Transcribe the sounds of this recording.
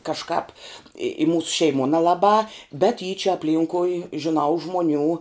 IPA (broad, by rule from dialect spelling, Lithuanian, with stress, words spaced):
kɐʃˈkɑːp ɪ ɪ ˈmuːsʊ ʃʲɛɪˈmuɔ nʲɛlˠɐˈbɑː bʲɛt iː t͡ʃʲɛ ɐpʲˈlʲiːŋkʊɪ ʒʲɪˈnɐʊ ˈʒmoːˌnʲuː